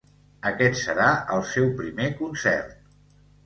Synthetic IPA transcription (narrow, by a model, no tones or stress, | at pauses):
əkɛt̪səɾaəlˠsɛwpɾimekunsɛ̰rt̪̚